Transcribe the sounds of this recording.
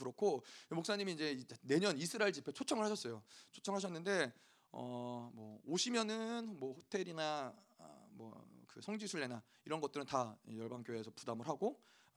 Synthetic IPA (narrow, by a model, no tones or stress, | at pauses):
ɯɾokʰoemok̚s͈aɲimiːd͡ʑe̞ne̞ɲʌnisʰɯɾaɭd͡ʑipʰe̞t͡ɕʰot͡ɕʰʌŋɯɭhaɕʰʌs͈ʌjot͡ɕʰot͡ɕʰʌŋɦaɕ̬ʰʌnːɯnde̞ | ʌ̰mwʌoɕʰimjʌnɯnmwʌɸotʰe̞ɾina̰ | mwʌ̰kɯsʰʌŋd͡ʑisʰuɭːe̞na | iɾʌnɡʌt͈ɯɾɯntajʌɭbaŋkjoe̞sʰʌpudamɯɭɦaɡo